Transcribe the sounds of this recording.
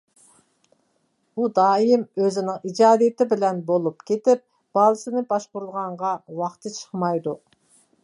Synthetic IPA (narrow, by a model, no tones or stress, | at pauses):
b̥ud̪ɑːjimøzɪnɪŋid͡ʒɑːd̪ijɪt̪ʰɪbɪlɛnbolˠupkʲʰet̪ɪp̚ | b̥ɑːlˠɨsɨnɪbɑʃbuɾlˠʁɑɴʁɑwɑχt̪ʰɨt͡ʃʰə̥χmɑjd̪u